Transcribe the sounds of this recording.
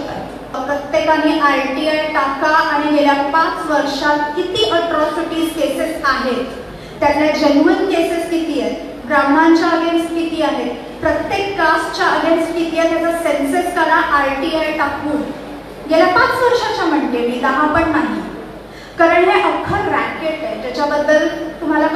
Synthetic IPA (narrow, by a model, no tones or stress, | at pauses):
əkət̪jekamiːʔajʈiajʈakaʔaɽ̃iɡeljapat͡sʋəɾʂat̪̚kit̪iːʔəʈɾɔsiʈiːd͡zkesesaɦet̪ː | jat̪ljad͡ʑənmənkeseskit̪ijet̪ | ɡɾam̤aɲt͡ɕjaəɡenskit̪iːaɦet̪ | pɾət̪jekːast͡ɕjaəɡenskit̪ijet̪jatasensəskəɾaʔajʈiajʈakuːn | ɡeljapat͡sʋəɾʂat͡ɕjam̤əɳʈemiːt̪əɦãpəɳːaɦi | kaɾəɳɦeʔəkʰːəɾbækeʈed͡ʑat͡ɕabəd̪ːəlt̪um̤alak